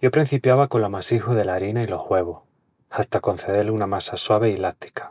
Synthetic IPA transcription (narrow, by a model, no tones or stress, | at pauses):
ɟ͡ʝo̞pɾin̟θipjaβako̞nlamasixoðe̞laɾinailo̞hwe̞βo | haht̪ako̞n̟θe̞ðe̞ɾlunamasaswaβ̞eilat̪i̥kḁ